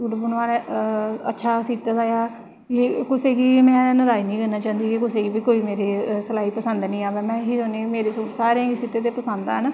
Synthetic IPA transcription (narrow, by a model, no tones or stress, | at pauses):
suːʈbənʋaːɾɛə̰tːʃʰaːsiːt̪ːd̪aːjaː | kiːkʊseːkiːmɛ̃ːnəd̪aːiːnĩːkənaːt͡ʃãːnd̪iːkikʊseːɡiːbiːkoːiːmeːɾeːsəlaːiːpəsənd̪nĩːaːʋeːmɛ̃ːɦiːɾoːnẽːmeːɾeːsuːʈsaːɾeãːɡiːsiːt̪eːt̪eːpəsənd̪aːɦən